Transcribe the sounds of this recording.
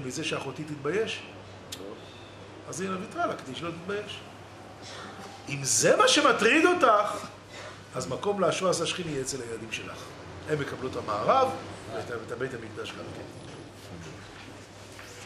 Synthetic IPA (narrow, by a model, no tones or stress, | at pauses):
mize̞ʃeaχo̞tit̪it̪̚baje̞ʃ | azinavit̪ʁalakd̪iʃlot̪it̪bajeʃ | imze̞maʃe̞matʁid̪o̞taχ | azmako̞mleaʃoasaʃχiniet͡selhajelad̪imʃela̰χ | hemːe̞kablutamaːʁavveetaetabe̞jthamikd̪aʃɡa̰mkḛn